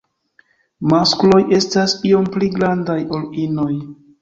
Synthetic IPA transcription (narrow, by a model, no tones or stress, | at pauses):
masklo̞jʔe̞stasio̞mpliɡɾandajo̞lino̞j